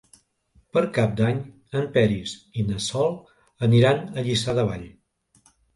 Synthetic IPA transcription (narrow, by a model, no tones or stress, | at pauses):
pəɾkap̚d̪aɲ | əmpɛɾisinəsɔlˠ | əniɾanəʎisaðəβa̰ʎ